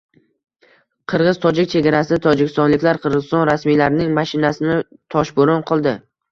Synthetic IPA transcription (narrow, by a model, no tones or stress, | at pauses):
qʰɨɾʁɨzt̪ʰɒd͡ʒɪkʲt͡ʃʰe̞ɡʲaɾasɪt̪ʰɒd͡ʒɪkʲɪ̥st̪ɒnlɪkʲlaɾqʰɨɾʁɨzɪst̪ɒnɾasmijlaɾɪnɪŋmaʃɪnasɪnɪt̪ʰɒʃbʊɾʊnqʰɒlˠd̪ɪ